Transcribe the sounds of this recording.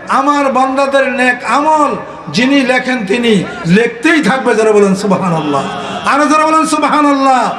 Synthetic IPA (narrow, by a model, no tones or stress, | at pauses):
amaɾbɔnd̪ad̪eɾnɛkamol | d͡ʑinilɛkʰent̪ini | lek̚t̪ejt̪ʰak̚bed͡ʑaɾabɔlensubɦaːnɔlːa̰ | aɾed͡ʑaɾabɔlensubɦaːnalːa